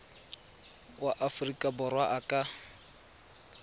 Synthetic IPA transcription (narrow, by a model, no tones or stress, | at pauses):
waʔafʊrikʼabʊrwaʔakʼa